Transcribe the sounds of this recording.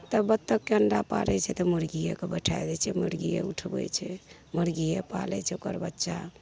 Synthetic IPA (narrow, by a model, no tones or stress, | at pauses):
t̪əbət̪ːəkːeənɖapa̰ɾɛt͡ʃʰɛt̪ɔməɾɡijakebəʈʰajd̪ɛt͡ʃʰɛməɾɡija̰uʈʰbɛ̰t͡ʃʰɛ | məɾɡijapa̰lɛ̰t͡ʃʰɛokə̰ɾbətːʃa